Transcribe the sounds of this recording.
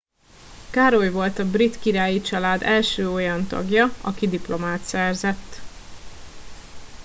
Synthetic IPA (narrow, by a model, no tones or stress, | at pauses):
kaːɾojvo̞lt̪ɒbrit̪kiɾaːjit͡ʃɒlaːd̪ɛlʃøːo̞jɒnt̪ɒ̰ɡjɒɒkid̪iplo̞maːt̪sɛrzɛt̪ː